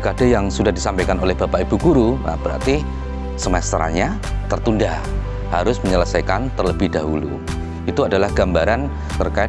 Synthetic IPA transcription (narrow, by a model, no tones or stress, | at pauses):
kadajaŋsudahdisampajkanolɛhb̥apaibuɡuɾuna̰b̥əɾa̰rt̪i | səmɛst̪ɾa̰ɲa | t̪ərt̪unda | haɾʊsməɲələsajkant̪ərləbɪhdaɦulṵ | it̪uadalahɡ̥ambaɾan | t̪ərkaɪ